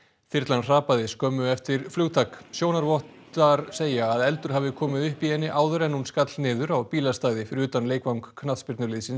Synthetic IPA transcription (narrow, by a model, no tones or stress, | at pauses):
θɪɾt̪lanr̥aːpaðɪskɔːmʏɛft̪ɪɾflʏɣt̪ʰaksjoːwnaɾvɔht̪ | aɾ̥seːjaːðɛlt̪ʏɾ̥ɦaːvɪkʰɔːmɪðʏhpihɛnːɪʔaːwðʏɾɛnːunskat̪lnɪːðʏɾawpiːlast̪aːjðɪfɪɾɪɾʏːt̪anleːjkvawŋkkʰːnaðspɪɾt̪nʏɾliːðsɪn